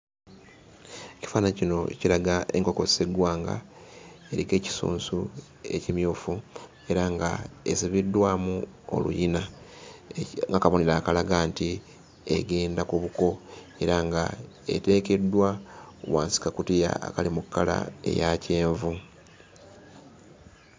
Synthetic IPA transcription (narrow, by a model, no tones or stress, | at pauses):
eci̥faːnacino̞cilaɡae̞ŋko̞ko̞seɡwaːŋɡa̰ | eɾike̞ːci̥sṵːnsu | e̞̰cimjuːfu | e̞ɾaŋɡa̰esiβidːwaːmu | o̰lṵjina | ŋɡakaβoniɾaːkalaɡaːnti | eɡe̞ːndakuβuko̞ | e̞ɾaŋɡa̰ | e̞̰te̞ːke̞dːwawaːnsi̥kakutija̰ːkalimukːala̰e̞̰jace̞ːɱvu